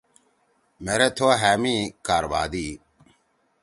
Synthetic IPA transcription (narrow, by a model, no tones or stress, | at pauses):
meɾet̪ʰoaɦæːmikaːɾba̰ːd̪i